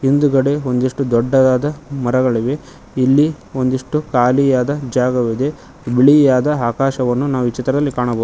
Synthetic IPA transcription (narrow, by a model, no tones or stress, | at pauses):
ind̪uɡɐɽe̞o̞nd̪iʂʈud̪ɔɖːɐd̪aːd̪ɐmɐɾɐɡɐɭiʋe̞ | ilːi | o̞nd̪iʂʈukaːlijaːd̪ɐd͡ʒaːɡɐʋid̪e̞ | biɭijaːd̪ɐaːkaːʃɐʋɐnːunaːʋuit͡ʃit̪ɾɐd̪ɐlːikaːɳɐbɐd̪u